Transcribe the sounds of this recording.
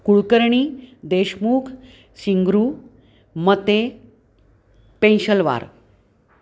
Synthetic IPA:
kuɭkəɾɳiːd̪eɕmuːkʰ | siŋɡɾuː | mət̪e | pẽnɕəlʋa̰ɾ

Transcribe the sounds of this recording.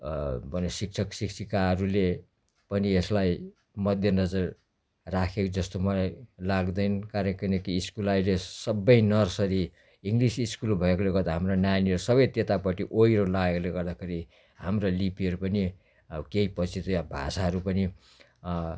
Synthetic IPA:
bʱʌnesik̚t͡sʰʌksiksʰikaɦʌɾule | pʌnieslaj | mʌd̪ʱjʌnʌd͡zʌr | rakʰekod͡zʌst̪omʌlajlaɡd̪ʌjnkaɾkʌnʌkiːskulailesʌbʌjnʌrsʌɾi | iŋɡlisiskulbʱʌekoleɡʌrd̪aɦamronjaniʌɾusʌbʌjt̪jet̪apʌʈiʔoiɾolaɡekoleɡʌrd̪akʰeɾi | hamrolipiɦʌɾupʌni | keipʌt͡sʰit̪ojabʱa̰saɦʌɾupʌni

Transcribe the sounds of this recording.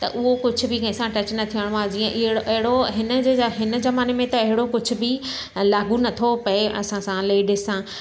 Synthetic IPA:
t̪ɐ̰ʔʊɦokʊd͡ʑʱʊ̆bɪkɐ̃ɪ̃sãʈɐt͡ɕnɐt̪ʰijəɽ̃aːd͡ʑiːɛ̃ʔɪɽɐɦɪɽoɦɪnə̆d͡ʑeːɦɪnə̆zɐmaːnemẽt̪ɐɐɦɪɽokʊd͡ʑʱʊ̆bɪ | laːɡunɐt̪ʰopɐeʔɐ̰sãsãleːɖɪssã

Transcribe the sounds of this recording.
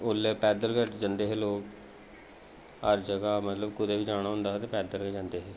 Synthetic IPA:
ʊlːeːpɛːd̪əlkəʈd͡ʒə̃nd̪eːɦeːloːk | həɾd͡ʒəɡaːmət̪ləbkʊd̪eːʋiːd͡ʒaːɽ̃aːɦʊ̃nd̪aːɦt̪eːpɛːd̪əlkəd͡ʒãːnd̪eːɦeː

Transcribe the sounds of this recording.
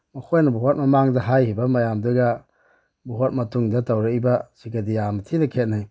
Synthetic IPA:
mɐkʰojnɐbuɦot̚mɐmaŋzɐɦajhibɐmɐjamduɡa | buɦot̚mɐtuŋdɐtawɾaibɐsiɡadijamatʰinɐkʰet̚naj

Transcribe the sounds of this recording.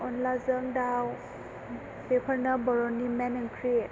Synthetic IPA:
ɔnlazəŋdaw | pepʰəɾnabɔɾɔnːimɛneŋkʰɾi

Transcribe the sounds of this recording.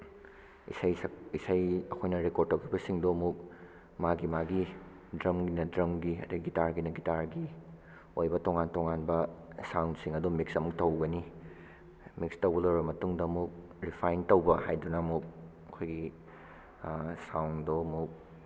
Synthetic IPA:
ḭsajsɐisajɐkʰojnɐɾekoɾd̚tɐwkʰibɐsiŋdɔmuk̚ | maɡimaɡi | dɾɐmɡinɐdɾɐmɡiɐ̰dɐɡitaɾɡinɐɡitaɾɡi | ojbɐtoŋantoŋanbɐsawntsiŋɐdumik̚sɐmuk̚tɐwɡɐni | mik̚stɐwɡɐlɐwbɐmɐtuŋdɐmuk̚ | ɾipʰajntɐwbɐhajdunɐmuk̚ | ɐkʰojɡi | sawndɔmuk̚

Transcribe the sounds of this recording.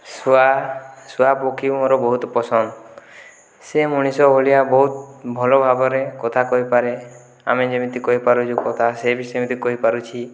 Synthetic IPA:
sasuapokʰimoɾɔbɔɦut̪ɔpɔsɔnd̪ | semuɽ̃isɔbʱoɭiabɔɦut̪bʱɔlɔbʱaɡɔɾekɔt̪ʰakɔɦipaɾe | a̰med͡ʒemit̪ikɔɦipaɾut͡ʃʰukɔt̪ʰasebisemit̪ikɔɦipaɾut͡ʃʰi

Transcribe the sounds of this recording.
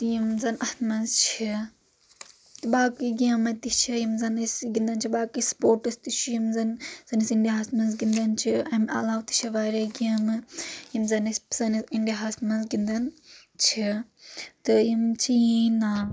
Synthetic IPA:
t̪jimzɐnʔɐst̪mɐnzt͡ʃʰi | t̪ɨbaːkiɡʲɐmɐt̪it͡ʃʰijimzɐnɐsɡind̪ɐnt͡ʃʰibaːkispoːʈɨst̪it͡ʃʰujimzɐnzɐnisiɳɖʲaɦɐsmɐnzɡind̪ɐnt͡ʃʰiɐmɐ̰laːwt̪i̥t͡ʃʰiʋaːɾɐɡɐmɨjimzɐnɐspsɐnisiɳɖʲaɦɐsmɐnzɡind̪ɐnt͡ʃʰi | t̪ɨjimt͡ʃʰiina

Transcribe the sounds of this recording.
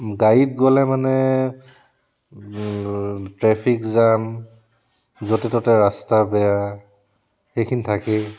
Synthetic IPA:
ɡajit̚ɡɔlɛmanɛ | tɹɛpʰikzam | zotɛtɔtɛɹastabɛja | xejkʰinitʰakɛ

